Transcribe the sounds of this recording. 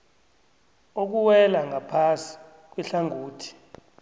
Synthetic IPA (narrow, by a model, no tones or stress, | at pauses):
ok̬uwɛlaŋʱapʰasi̥ | k̬wiɬaŋʱuːtʰi̥